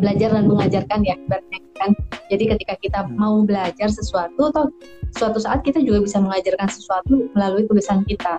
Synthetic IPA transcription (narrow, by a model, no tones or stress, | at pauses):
bəlad͡ʒardanməŋad͡ʒarkaniakibat̪̚ɲakikand͡ʒadikət̪ikakit̪amaubəlad͡ʒarsəsuat̪uat̪a | suat̪usaʔat̪̚kit̪ad͡ʒuɡabisaməŋad͡ʒarkansəsuat̪uməlaluikəbəsankit̪a